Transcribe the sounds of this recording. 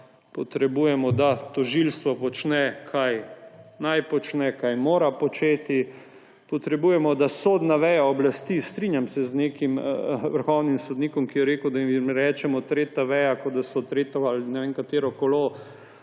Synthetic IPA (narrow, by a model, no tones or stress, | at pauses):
pɔt̪ɾɛbujɛmɔd̪at̪ɔʒilst̪ʋɔpɔt͡ʃnɛkʰajnajpɔt͡ʃnɛkajmoːɾapɔt͡ʃeːt̪i | pɔt̪ɾɛbuːjɛmɔd̪asoːd̪naʋɛjaɔblast̪iːst̪ɾinʲjamsɛzneːkimʋəɾxɔwnimsɔd̪niːkɔmkijɛɾeːkud̪aimɾɛːt͡ʃɛmɔt̪ɾeːt̪aʋɛjakɔd̪asɔt̪ɾeːt̪ɔalnɛʋeːnkat̪eːɾɔkolo